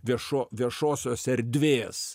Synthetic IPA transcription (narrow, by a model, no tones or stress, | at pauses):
ʋʲiɛʃoːʋʲiɛʃoːsʲoːsɛɾʲd̪ʲʋʲeːs